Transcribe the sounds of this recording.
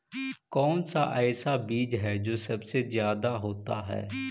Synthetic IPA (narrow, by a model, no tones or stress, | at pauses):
kɔːnsa̰ːʔɛːsaːbiːd͡ʒɦɛːd͡ʒoːsəbseːzjaːd̪aːɦoːt̪a̰ːɦɛ̰ː